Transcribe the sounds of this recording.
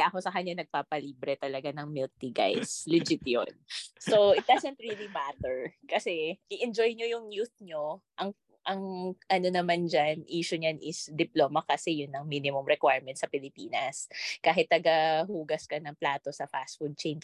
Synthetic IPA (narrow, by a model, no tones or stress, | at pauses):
ʔɐko̞sɐkɐɲːanɐɡ̚paːpɐliːbɾɛt̪ɐlɐɡanɐŋmɪlt̪iɡa̰jslɪd͡ʒɪt̪jo̰nsoʔɪt̪̚d̪azɛnt̪ɹilimat̪ɛɹkɐsɛʔɪʔɛnd͡ʒojɲojʊŋjuθ̚ɲoʔɐŋ | ʔɐŋʔɐno̞nɐmand͡ʒanʔiːʃʊɲanʔɪsd̪ɪploːmɐkɐsɛjʊnːɐŋminɪmʊmɾɛkwajɹmɛnt̪̚sɐpɪlɪpiːnɐskaːɦɪt̪̚ːɐɡɐɦuːɡɐskɐnɐŋplaːt̪o̞sɐfa̰sfud̪̚t͡ʃejn